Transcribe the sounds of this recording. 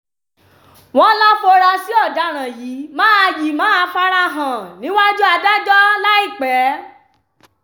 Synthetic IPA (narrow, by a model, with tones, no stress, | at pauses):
w̃ɔ̃˦lɔ˦fo˧ɾa˧si˨˦ɔ˦˨da˨˦ɾ̃ã˨ji˨˦mãː˦a˧ji˨mãː˨˦a˧fa˦ɾa˧ɦã˨nĩ˨˦wa˦d͡ʒu˦a˧da˦d͡ʒɔ˦la˦i˦˨k͡pɛ˨˦